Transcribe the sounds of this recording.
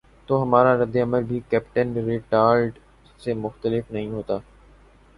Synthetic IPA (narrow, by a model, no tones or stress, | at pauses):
t̪oːɦɐmaːɾaɾɐd̪ːeɐməɾbʱikɛːpʈənɾɪʈaːɾɖ | semʊxt̪əlɪfnɐɦĩɦoːt̪aː